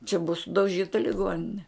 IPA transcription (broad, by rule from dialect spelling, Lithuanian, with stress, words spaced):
t͡ʃʲɛ bʊɐ sʊdɐʊˈʒʲiːtɐ lʲɪˈɡoːnʲɪnʲɛ